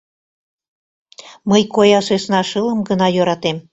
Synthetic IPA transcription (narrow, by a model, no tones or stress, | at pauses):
məjkojɑʃeʃnɑʃələmɡənɑjøɾɑt̪em